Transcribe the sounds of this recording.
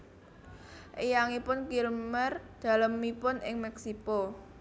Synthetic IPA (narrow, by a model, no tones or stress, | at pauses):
ʔejaŋipʊnkilmərd̪̥a̤ləmːipʊnʔɪ̰ŋmɛksiko